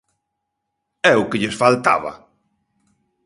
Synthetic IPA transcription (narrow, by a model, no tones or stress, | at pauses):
ɛʊkɪʎɪsfalt̪a̰βɐ̰